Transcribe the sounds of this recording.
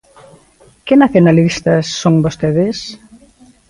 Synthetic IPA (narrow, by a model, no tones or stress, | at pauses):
kɪnaθjonalist̪ɐsːoŋbost̪eðɪs